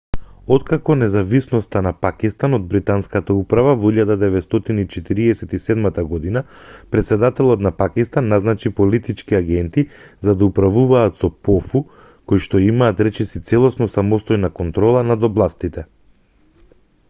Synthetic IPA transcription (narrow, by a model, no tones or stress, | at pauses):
ɔt̪kakɔnɛzavisnɔst̪anapakist̪anod̪̚bɾit̪anskat̪aupɾavavɔiʎad̪ad̪ɛvɛt̪st̪ɔt̪iniːt͡ʃɛt̪iɾiɛsɛt̪isɛd̪mat̪aɡɔd̪ina | pɾɛt̪sɛd̪at̪ɛlˠɔt̪napakist̪anːaznat͡ʃipɔlit̪it͡ʃkiaɡɛnt̪i | zad̪aupɾavuvaːt̪sɔpɔfu | kojʃt̪ɔimaːt̪ɾɛt͡ʃɛsit̪sɛlˠɔsnɔsamɔst̪ɔjnakɔnt̪ɾɔlˠanad̪ɔblˠast̪it̪ɛ